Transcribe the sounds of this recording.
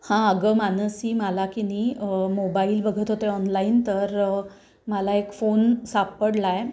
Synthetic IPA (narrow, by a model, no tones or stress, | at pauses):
hãəɡəmanəsiːməlakinimobailbəɡʱət̪ɦot̪eɔnlaint̪əɾ | məlaekfonsapəɽlaje